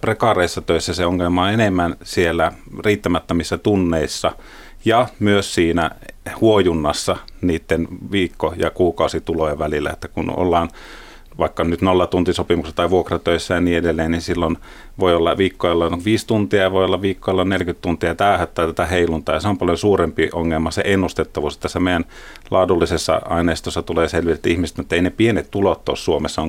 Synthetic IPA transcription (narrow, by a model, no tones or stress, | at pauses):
prekɑreˑisːɑt̪øisːæseoŋːelmɑːenemːænsielːæriːt̪ːæmæt̪ːømisːæt̪unːeisːɑ | jɑmyøssiːnæhuojunːɑsːɑniːt̪ːenʋiːkːojɑ̰kuːkɑˑusit̪uloeʋælilːæ̰ḛt̪ːækunʔo̰lːɑːn | ʋɑˑikːɑnyt̪nolːɑt̪unt̪isopimuksɑt̪ɑˑiʋuokrɑt̪øˑisːæjɑniːedelːeːnninsilːon | ʋoiolːɑʋiːkːojolːɑnʋiːst̪unt̪iɑjɑʋojolːɑʋʋiːkːojlːɑnnelkyt̪t̪unt̪iɑt̪æˑøhæt̪ːæːt̪æt̪æheilunt̪ɑːjɑseompɑljosuːrempioŋːelmɑsḛʔenːust̪et̪ːɑʋuːset̪ːæsæmeijæn | lɑːdulːisesːɑ̰ɑineˑist̪osːɑt̪uleːselʋiet̪ːæihmist̪æmet̪ːæeinepienet̪t̪ulot̪ːo̰ːssuomesːɑoŋ